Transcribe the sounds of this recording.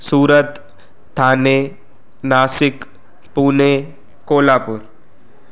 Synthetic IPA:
suːɾət̪ːʰ | aːneː | naːsɪk | puːne | koːlaːpʊɾ

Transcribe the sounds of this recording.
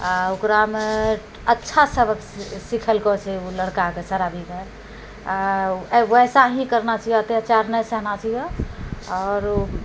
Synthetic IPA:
aokɾame | ətːʃʰasəbəksikʰəlkɔt͡ʃʰɛuləɽkakesəɾabʱike | a | ʋɛsaɦĩkəɾnat͡ʃʰijɛət̪eəːt͡ʃaɾnəjsəɦnat͡ʃʰijɛɔːɾ

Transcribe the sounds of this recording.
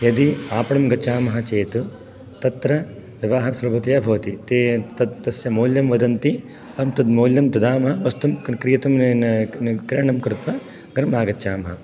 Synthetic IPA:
jɐd̪iaːpɐɽɐmɡɐt͡ʃaːmɐɦɐt͡ʃeːt̪u | t̪ɐt̪ɾɐʋɐʋaːɦɐsɐɾɐbɐt̪ɐjɐbʱɐʋɐt̪it̪eːt̪ɐd̪t̪ɐsjɐmoːljɐmʋɐd̪ɐnt̪i | ɐmt̪ɐd̪moːljɐmp̪ɐd̪aːmɐɦɐʋɐst̪umkɾijɐt̪ɐm | kɾeɳɐmkɾɪt̪ʋɐ | ɡɐɾmaːɡɐt͡ʃaːmɐɦɐ

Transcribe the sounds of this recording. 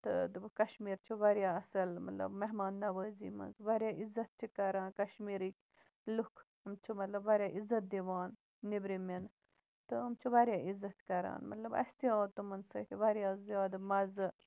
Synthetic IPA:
t̪ɨ̰d̪ɨbkɐʃmiːɾt͡ʃʰiʋɐɾjaːɐsɐlmɐ̰t̪lɐ̰bmɐɦmaːnːɐʋəːzḭːmɐ̰nzʋɐɾjaːʔizɐt̪̚t͡ʃʰikɐɾãːnkɐʃmiːɾikʲ | lukʰ | ɨmt͡ʃʰimɐt̪lɐbʋɐɾjaːʔizːɐt̪̚d̪iʋaːnː | ibɾimen | t̪ɨɐmt͡ʃʰiʋɐɾjaːʔizɐt̪kɐɾa̰ːnmɐt̪lɐbɐ̰st̪ijãːt̪umɐnsɐt̪ʰiʋɐɾʲjaːzjaːd̪mɐzɨ

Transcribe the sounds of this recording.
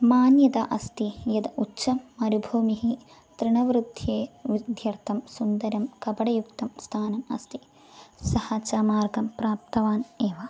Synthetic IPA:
maːnjɐd̪aʔɐst̪ijɐd̪ɐʔutːt͡ʃɐmːɐɾubʱuːmiɦi | t̪ɾiɳɐʋɾud̪ʱjeːʋid̪ʱjɐɾt̪ʰɐmsund̪ɐɾɐmkɐbɐɽɐjukt̪ɐmst̪ʰaːnɐmɐ̰st̪i | sɐhɐt͡ʃaːmaːɾɡɐmpɾaːp̚t̪ɐʋaːneːʋɐ

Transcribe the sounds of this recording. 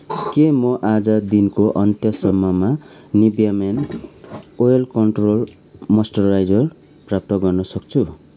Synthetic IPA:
kemʌʔad͡zʌd̪inkoʔʌnt̪jʌsʌmːʌmanibjamen | ojʌlkʌɳʈrol | mʌsʈʌrajd͡zʌr | prap̚t̪ʌɡʌrnʌsʌk̚t͡sʰu

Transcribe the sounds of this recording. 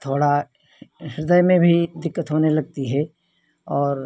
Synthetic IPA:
t̪ʰoːɽa | ɦɪɾd̪əjmẽbʱid̪ɪkːət̪ɦoːnelɐɡ̚t̪iɦɛ | ɔːɾ

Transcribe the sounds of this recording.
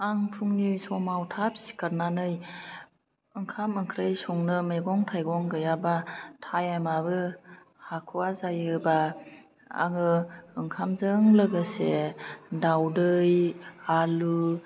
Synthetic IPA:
aŋpʰuŋnisɔmawtʰapsi̥kaɾnanɯj | ɯŋkʰamɯŋkʰɾɯjsɔŋnɯmeɡɔŋtʰajɡɔŋɡɯjabatʰajamabɯ | hakʰuwazajɯba | a̰ŋɯɯŋkʰamzɯŋlɯɡɯsedawdɯjalu

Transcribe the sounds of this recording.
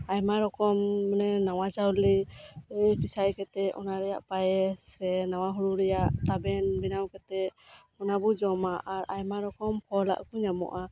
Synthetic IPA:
ajmaɾɔkɔmːnɛnawat͡ʃawli | pisajkɛt̪ɛɔnaɾɛja̰ʔpajɛsɛnawaɦuɽuɾɛjaʔt̪abɛnbinawkɛt̪ɛ | ɔnabɔd͡ʒɔmaʔaɾʔajmaɾɔkɔmpʰɔla̰ʔkuɲamɔ̰ʔa

